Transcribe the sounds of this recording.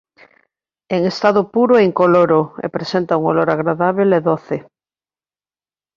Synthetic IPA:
eŋest̪aðopuɾoeŋkoloɾoḛpɾesent̪auŋoloɾaɣɾaðaβ̞eleðoθe

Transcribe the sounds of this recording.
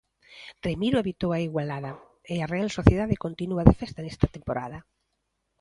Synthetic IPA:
rremiɾoeβit̪owaiɣwalaðɐ | earealsoθjeðaðeɪkont̪inuaðefest̪anɛst̪at̪empoɾa̰ðɐ

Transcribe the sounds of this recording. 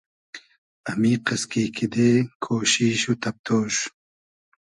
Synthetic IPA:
ɐmiːqɐskiːkʰid̪ekʰoːɕiɕut̪ɐp̚t̪ʰoːɕ

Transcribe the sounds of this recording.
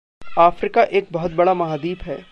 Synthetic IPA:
aːfɾɪkaʔeːk̚bɐɦʊt̪̚bɐɽamɐɦaːd̪iːbɦɛː

